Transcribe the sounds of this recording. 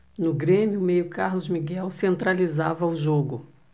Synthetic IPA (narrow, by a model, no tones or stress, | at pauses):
nʊɡɾẽmjʊmejʊkaɾlʊzmiɡɛwsẽnt̪ɾalizavɐʊʒoɡʊ